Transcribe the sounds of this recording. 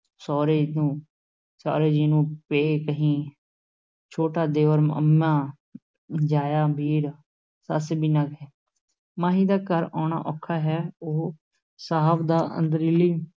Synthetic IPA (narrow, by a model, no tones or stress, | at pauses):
sɔːɾeːd̪ũː | sa̰ːɾeːd͡ʒiːnũːpeːkəɦĩː | t͡ʃʰoːʈaːd̪eːʋəɾmə̰mãː | d͡ʒaːjaːbʱiːɾ | səsbiːnaːɡɛː | maːɦĩːd̪aːkəɾɔ̃ːna̰ːʔɔːkʰaːɦɛːoː | saːɦbd̪aːə̰̃nd̪əɾiːliː